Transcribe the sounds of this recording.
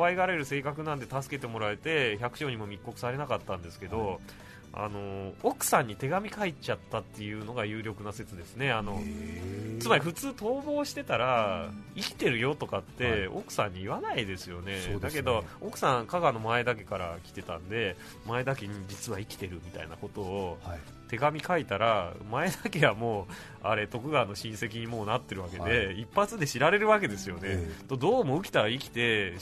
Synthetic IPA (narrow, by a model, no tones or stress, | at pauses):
βaiɡaɾe̞ɾɯ̟se̞ːkakɯ̟nãnd̪e̞t̪asɨ̥ke̞t̪e̞mo̞ɾaet̪e̞çakɯ̟ɕo̞ːɲ̟imo̞mʲikːo̞kɯ̟̥saɾe̞nakat̪ːãnd̪e̞sɨ̥ke̞d̪o̞ | a̰no̞okɯ̟̥sãɲ̟ːit̪e̞ɡamʲikait͡ɕat̪ːat̪ːe̞jɯ̟ːno̞ɡajɯ̟ːɾʲo̞kɯ̟nase̞t͡sɨd̪e̞sɨne̞ano̞ | t͡sɨmaɾʲiɸɯ̟t͡sɨːt̪o̞ːbo̞ːɕi̥t̪e̞t̪aɾaikʲi̥t̪e̞ɾɯ̟jo̞t̪o̞kat̪ːe̞o̰kɯ̟̥sãɲ̟ːiːβanaid̪e̞sɨjo̞ne̞d̪ake̞d̪o̞okɯ̟̥sãŋkaɡano̞mae̞d̪ak̬e̞kaɾakʲi̥t̪e̞t̪ãnd̪e̞ | mae̞d̪akeɲ̟id͡ʑit͡sɨβaikʲi̥t̪e̞ɾɯ̟mʲit̪a̰inako̞t̪o̞ː | t̪e̞ɡamʲikait̪aɾamae̞d̪ake̞ɡamo̞ː | a̰ɾe̞t̪o̞kɯ̟ɡaːno̞ɕĩɰ̃se̞kʲiɲ̟imo̞ːnat̪ːe̞ɾɯ̟βake̞d̪e̞ipːat͡sɨd̪e̞ɕiɾaɾe̞ɾɯ̟βake̞d̪e̞sɨjo̞net̪od̪o̞ːmo̞ɯ̟kʲi̥t̪aɾaikʲi̥t̪e̞